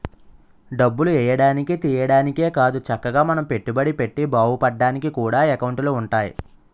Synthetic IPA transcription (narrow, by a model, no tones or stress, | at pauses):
ɖɐbːuluɛːjɐɽaːnikit̪iːjɐɽaːnike̞ːkaːd̪ut͡ʃɐkːɐɡaːmɐnɐmpe̞ʈːubɐɽipe̞ʈːibaːwupɐɖːaːnikikuːɽaːekɐwɳʈluːɳʈaːjḭ